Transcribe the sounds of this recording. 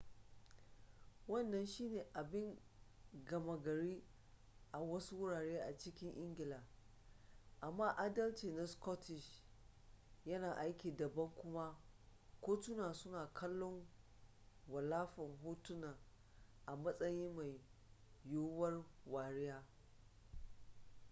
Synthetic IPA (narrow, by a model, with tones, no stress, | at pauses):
wɐ˦˨nːɐ˨nʃiː˦neː˨ʔa˨bɪ˦ŋ | ɡɐ˨mɐ˨ɡɐ˨ɾiː˦ | ʔa˨wɐ˦su˦wʊ˦ɽaː˨ɽeː˦ʔa˨t͡ʃɪ˦kʲɪ˦ŋʔɪ˦ŋɡʲɪ˨laː˨ | ʔa˨mːaː˦ʔa˦dɐ˦lt͡ʃiː˨na˨skɔ˦tʰɪ˨ʃ | jɐ˦naː˨ʔa˦jkʲiː˨dɐ˨bɐ˦ŋkʷʊ˦ma˦kʷoː˦tʊ˦naː˨sʊ˦naː˨kʰɐ˦lːɔ˦ŋ | wɐ˨laː˦ɸɐ˨ŋɦoː˦tʊ˦naː˨ | ʔa˨mɐ˦sʼɐ˦ji˦ma˨j | joː˦wɐ˦rwaː˨ɽɪ˦jaː˦